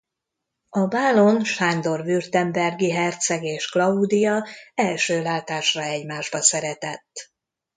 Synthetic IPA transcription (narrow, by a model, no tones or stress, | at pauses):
ɒbaːlo̞nʃaːnd̪o̞rvyrt̪ɛmbɛrɡiɦɛrt̪sɛɡeːʃklɒud̪ijɒɛlʃøːlaːt̪aːʃrɒɛɟmaːʒbɒsɛɾɛt̪ɛt̪ː